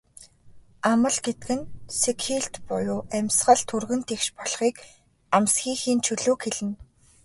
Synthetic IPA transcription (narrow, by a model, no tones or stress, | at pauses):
amə̆ɮɡet̪̚kɘ̆nsekʰiɬt̪pʊjʊːʔæmʲsɢə̆ɮt̪ʰɵrɣɘ̆nt̪ʰekʃpɔɮχiːk | amsxiːxiːnt͡ɕʰɵɮoːkxeɮɘ̆n